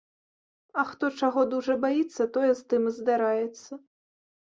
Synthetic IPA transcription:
ɐxt̪ɔt͡ʂaɣɔd̪uʐɐbajit̪sːɐt̪ɔjɛzt̪ɨmzd̪aɾajɛt̪sːɐ

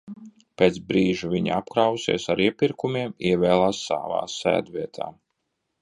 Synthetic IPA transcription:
peːt̪sbɾiːʒuviɲ̰apkɾawsḭɛsaɾiɛpiɾkumiɛmiɛvɛːlˠaːsːa̰ːva̰ːsæ̰ːd̪viɛt̪ʰa̰ː

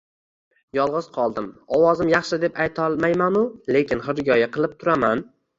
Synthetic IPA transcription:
jɒlˠʁɨz̥qʰɒlˠd̪ɪmɒwɒzɪmjɑχʃɪd̪e̞pajt̪ʰɒlˠmajmanʊle̞kʲɪnχɨɾɡʲɒjaqʰɨlˠɪp̚t̪ʰʊɾaman

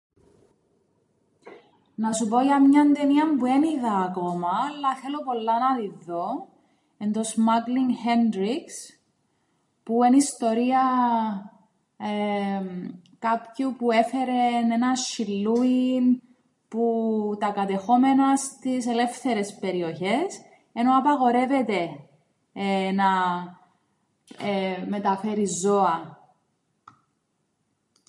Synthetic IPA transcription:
nɐsupo̞ʝɐmɲɐnd̪eniɐmbue̞niðɐːkomɐːlːɐθe̞lo̞po̞lːɐnɐðiðo̞ | end̪osmɐkliŋhend̪ɾiks | puenist̪o̞ɾiɐ | kɐpçupue̞fe̞ɾene̞nɐʃilːuin | put̪ɐkɐt̪e̞xo̞me̞nɐst̪ise̞le̞fθe̞ɾe̞spe̞ɾio̞çe̞s | e̞no̞ɐpɐɣo̞ɾe̞ve̞t̪e̞ | nɐ | me̞t̪ɐfe̞ɾizo̞ɐ

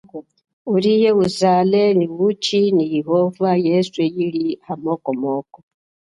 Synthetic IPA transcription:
uɾijeuzaːleniwut͡ʃinijiɦovajesuejiɾihamokomoːko

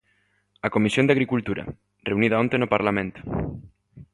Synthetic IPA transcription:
akomisjond̪aɣɾikult̪uɾa̰ | reuniðaont̪enopaɾlamẽnt̪o̥

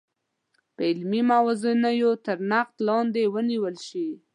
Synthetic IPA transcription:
pəɪlmimawazənajot̪əɾnaq̚t̪lɑnd̪ewəniwəlʃi

